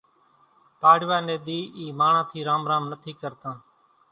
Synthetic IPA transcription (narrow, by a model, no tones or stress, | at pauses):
paːɽʋaːneːd̪iːiːmaːɳãːt̪ʰiːɾaːmɾaːmnət̪ʰiːkəɾt̪ãː